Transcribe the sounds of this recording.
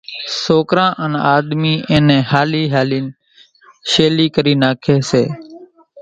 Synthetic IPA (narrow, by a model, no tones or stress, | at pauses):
soːkɾãːʔənaːɗ̪miːʔẽːnẽːhaːliːɦaːliːn | ʃeːliːkəɾiːnaːkʰeːseː